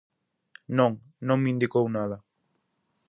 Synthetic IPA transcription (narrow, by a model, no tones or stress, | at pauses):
nõŋ | nõŋmĩnd̪ikownaðɐ